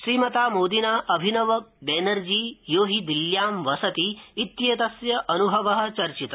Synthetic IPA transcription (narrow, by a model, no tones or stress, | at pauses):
ʃɾiːmɐt̪aːmoːd̪inaːʔɐbʱinɐʋɐbeːnɐɾd͡ʒiːjoːɦid̪iljaːmʋɐsɐt̪iːt̪jeːt̪ɐsjɐʔɐnubʱɐʋɐɦɐ̆t͡ʃɐɾt͡ʃit̪ɐ